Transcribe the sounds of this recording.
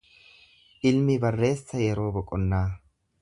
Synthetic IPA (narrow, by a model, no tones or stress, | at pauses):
ʔɪlmɪbɐrːe̞ːsːɐjɛɾoːbɔkʼːɔnːaː